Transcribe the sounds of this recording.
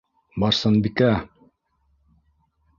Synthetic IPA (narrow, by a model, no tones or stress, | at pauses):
bɑɾsɤnbikæ